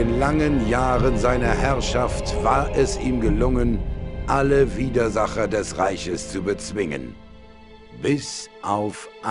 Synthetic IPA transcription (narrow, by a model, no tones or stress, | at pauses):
ɪnlaŋənjaːʁənzaɪnɐhɛɐʃaftv̥aːɐʔɛsiːmɡəlʊŋənʔaləviːdɐzaχɐdɛsʁaɪçəst͡subət͡sv̥ɪŋə̰n | b̥ɪsʔaʊfʔ